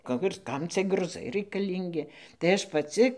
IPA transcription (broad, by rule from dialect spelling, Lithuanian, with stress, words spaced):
ˈkɐ ɪr ˈkɐm t͡sʲiɛ ɡrʊˈzɐɪ rɐɪkɐˈlʲiːŋʲɡʲɪ tɐɪ ˈɐʃ pɐˈt͡sʲɪ